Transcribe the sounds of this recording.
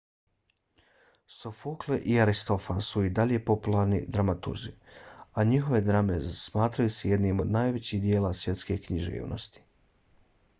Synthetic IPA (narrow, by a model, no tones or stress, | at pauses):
sofukleʔiaɾist̪o̞fansuid̪aʎe̞po̞pulˠaɾnḭd̪ɾamat̪ṵɾzḭaɲiɦo̞ʋed̪ɾamezsmaːt̪ɾajuseje̞d̪niːmo̞d̪naːjʋe̞t͡ɕiːɦd̪jeːlˠasʋje̞t̪ske̞kɲiʒḭːʋnʔo̞̰st̪i̥